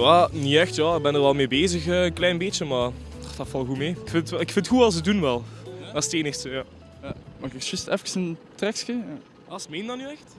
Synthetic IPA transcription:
jaːniɛxtjaːɪɡ̚bɛnərʋɛlˠmeːbeːzəxəːənklɛjnbet͡ʃəmaːtɑfɑlˠɣumeːɪkfɪnttɪkfɪntxuɑlˠs̬ədunʋɛlˠasteːnəxsəjaː | jamakɛksɪstɛfkə̥səntrɛkskija̰ | ɑsmeːndɑnːyɛxt

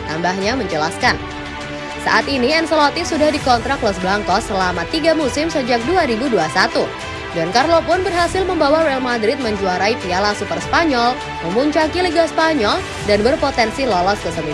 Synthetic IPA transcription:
t̪ambahɲaməɲt͡ʃəlaskan | sa̰ʔat̪iniɛnsəlɔt̪isudahdikɔnt̪ɾaklɔsblaŋkɔsəlamat̪iɡamusɪmsəd͡ʒak̚duaɾibuduasat̪u | dankarlopʊnbərɦasɪlməmbawaɾɛalmadɾɪt̪̚məɲd͡ʒuaɾaipialasupərspaɲɔl | məmuɲt͡ʃakiliɡaspaɲɔl | danbərpot̪ɛnsilɔlɔskəsəmi

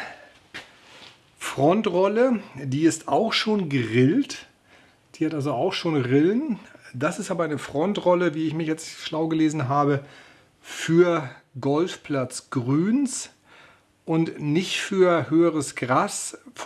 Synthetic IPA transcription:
fʁ̥ɔntʁɔlədiːɪstaʊxʃoːnɡəʁɪlt | d̥iːhatalzoaʊxʃoːnʁɪlənd̥asɪstʔaːbɐaɪnəfʁ̥ɔntʁɔləviːɪçmɪçjɛt͡sʃlaʊɡəleːzn̩ɦaːbə | fyːɐɡɔlfpʰl̥at͡sɡ̥ʁyːns | ʔʊntnɪçtfyːɐhøːəʁəsɡ̥ʁaːsf

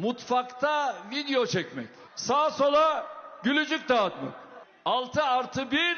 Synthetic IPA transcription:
mut̪fakt̪ʰavid̪ejo̞t͡ʃʰɛcmɛ̰c | saːsolˠaɟylʲyd͡ʒyc̚t̪aːt̪ma̰k | alˠt̪ʰɯaɾt̪ʰɯbiɾ

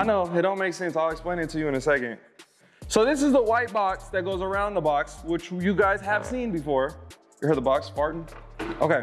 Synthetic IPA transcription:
aɪnoʊɪt̚d̥õʊ̃nmeɪksɛ̃nsaɪlˠɨksplẽɪ̃ñɨ̃tʰɨjɨɨ̃nɨsɛkɨ̰̃nd̥ | soʊðɪsɨzðəwaɪt̚b̥ɑksðɨt̚ɡ̥oʊzə˞ãʊ̃nðəbɑkswɪt͡ʃjɨɡaɪz̥ɨv̥sĩnbɨfɔɹ | jə˞hɜ˞d̪̚ðəbɑkspɑɹʔⁿn̩ | ʔo̰ʊkeɪ

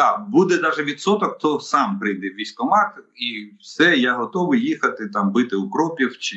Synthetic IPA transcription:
ɑbud̪ɛd̪ɑʒɛʋʲit̪sɔt̪ɔkt̪ɔsɑmpɾɪjd̪ɛʋʲisʲk̪ɔmɑxiwsɛjaɦɔt̪ɔʋɪjjixɐt̪ɪt̪ɑmbɪt̪ɪukɾɔpʲiwt͡ʃɪ

